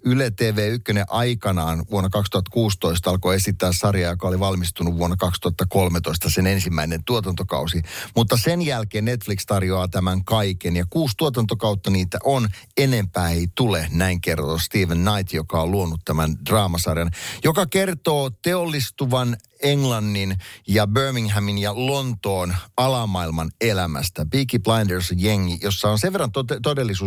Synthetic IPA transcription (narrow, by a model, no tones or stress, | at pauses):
ylet̪eːʋeːykːøneʔɑikɑnɑːnʋuonːɑkɑkst̪uhɑt̪kuːst̪oist̪ɑlkoesit̪ːæːssɑrjɑjokɑoliʋɑlmist̪unuʋʋuonːɑkɑkst̪uhɑt̪ːɑkolmet̪oist̪ɑsenensimːæinent̪uot̪ɑnt̪okɑ̰usimut̪ːɑsenjælkeːnnet̪flikst̪ɑrjoɑːt̪æmæŋkɑikenjɑkuːst̪uot̪ɑnt̪okɑut̪ːɑniːt̪æ̰ʔon | enempæːeit̪ulenæiŋkert̪oːst̪iːʋenːɑit̪jokɑoluonut̪tæmænd̥rɑːmɑsɑrjɑnjokɑkert̪oːt̪eolːist̪uʋɑn | eŋlɑnːinjɑbøːmiŋɦæminjɑlont̪oːnɑlɑmːɑilmɑnelæmæ̰st̪æbikiplɑjndeɹsjeŋːijosːɑonseʋerːɑnt̪otet̪odelːisuː